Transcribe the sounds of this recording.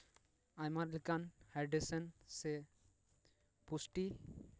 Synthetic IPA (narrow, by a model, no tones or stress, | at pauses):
ajmaɾlikanhaɾɖesənse | pusʈi